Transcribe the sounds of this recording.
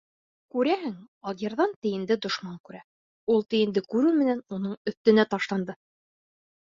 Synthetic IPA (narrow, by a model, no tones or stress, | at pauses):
kʉɾæhɘŋ | ɑlˠjɤ̆ɾðɑnt̪ɘ̆jɘ̆nd̪ɘd̪ŏʃmɑŋkʉɾæ | ulˠt̪ɘ̆jɘ̆nd̪ɘkʉɾʉmɘ̆nænunɤɴɵ̆θt̪ɘ̆næt̪ɑʃlˠɑnd̪ɤ